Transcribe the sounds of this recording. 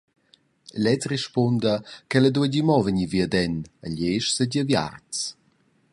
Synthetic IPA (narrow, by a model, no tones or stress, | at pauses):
lɛt͡srɛʃpɔndəkɛləduəɟimɔvəɲiviədɛnə̰ʎeʃsəɟəvja̰rt͡s